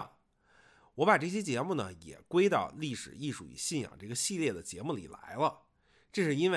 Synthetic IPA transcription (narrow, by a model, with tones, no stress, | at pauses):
wɔ˧˥pa˨˩ʈ͡ʂɤ˥˩ɕ̬jɛ˥t͡ɕjɛ˧˥mu˥˩nə˩jɛ̰˨˩kwe˥ɪt̪ɑ˥˧ʊli˥˩ʂɻ̩˨˩i˥˩ʂṵ˥˩ḭ˨˩ɕi˥˩njɑ̰˨˩ŋʈ͡ʂɤ˥˩ɡə˩ɕi˥˧ljɛ˥˩d̪ə˩t͡ɕjɛ˧˥mu˥˩lḭ˨˩la̰˧˥ɪlə˧ | ʈ͡ʂɤ˥˧ʂɻ̩˥˩˧i˥nwe˥˩˧